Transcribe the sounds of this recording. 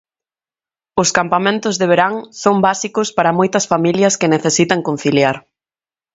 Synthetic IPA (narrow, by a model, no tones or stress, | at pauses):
ʊskampamẽnt̪ʊzðeβeɾaŋsombasikʊspaɾɐmojt̪ɐsfamiljɐskɪneθesit̪ɐŋkon̟θiljaɾ